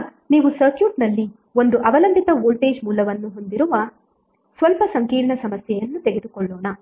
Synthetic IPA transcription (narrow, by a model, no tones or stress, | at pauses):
niːʋusɐɾkjuːʈnɐlːi | o̞nd̪uʔɐʋɐlɐmpit̪ɐʋoːlʈe̞ːd͡ʒmuːlɐʋɐnːuɦo̞nd̪iɾuʋɐ | sʋɐlpɐsɐŋkiːɾɳɐsɐmɐsjɛjɐnːut̪eɡed̪ukɔɭːɔːɳɐ